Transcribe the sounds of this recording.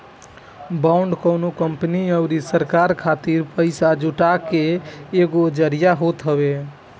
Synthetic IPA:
baʊɳɖkəʊnokəmpniəʊɾisəɾkaɾkʰat̪iɾpəjsad͡ʒuʈakeːɡod͡ʒəɾijaɦot̪ɦəβe

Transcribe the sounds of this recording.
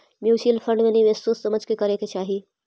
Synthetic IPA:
mjuːsiːlfʰə̃ɳɖmẽniʋesoːsːɐməd͡ʒʱkekɐɾeket͡ʃaːɦiː

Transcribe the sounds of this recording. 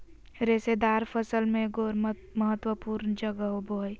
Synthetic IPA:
ɾesed̪aːɾpʰəsəlmẽɡoɾ | məɦət̪ːwəpuːɾnd͡ʒəɡəɦoboɦj

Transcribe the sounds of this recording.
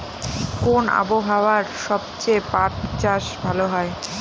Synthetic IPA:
kona̰boɦaoaɾʃɔbt͡ɕejpatt͡ɕaʃbʱaloɦɔe

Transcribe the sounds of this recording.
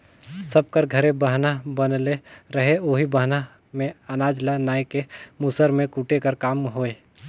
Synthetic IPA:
sɐb̚kəɾɡʱɐɾẽbəɦnabɐnleɾəɦeoːɦibɐɦna | mẽɐnaːd͡ʒlanaːjkemusəɾmẽkuʈekəɾkaːmɦoːeː

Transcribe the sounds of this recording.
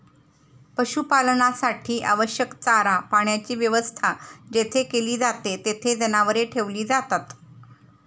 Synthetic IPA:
pəɕupalnasaʈʰiːʔaʋəɕjəkt͡saɾapaɳjat͡ɕiːʋjəʋəst̪ʰad͡ʑet̪ʰekeliːd͡zat̪et̪et̪ʰed͡zənaʋəɾeʈʰeʋliːd͡zat̪at̪

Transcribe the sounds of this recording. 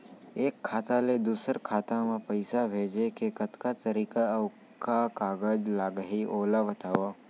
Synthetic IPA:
eːkʰːaːt̪aled̪uːsəɾkʰaːt̪amãpəɪsabʱeːd͡ʒekekɐt̪kat̪əɾiːka | kakaːɡəd͡ʒlaːɡəɦiʔoːlabɐt̪aːʋaː

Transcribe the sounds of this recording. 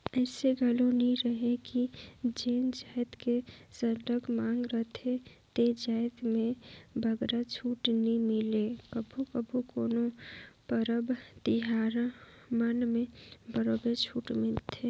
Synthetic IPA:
ɛːseɡʱəloniɾəɦekid͡ʒeːnd͡ʒaːjt̪kesəɖəkmaːŋɡɾət̪ʰe | t̪ed͡ʒaːjd̪mẽbʱəɡɾat͡ʃʰuːʈnimɪlekəbʱukəbʱukoːnopəɾəbt̪ɪɦaːɾa | mənmẽbəɾobet͡ʃʰuːʈmɪlt̪ʰe

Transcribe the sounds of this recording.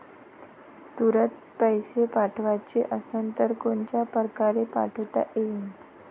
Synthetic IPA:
t̪uɾət̪̚ | pəjɕepaʈʰʋat͡ɕiʔəsənt̪əɾkont͡ɕjapɾəkaɾepa̰ʈʰət̪a̰ʔein

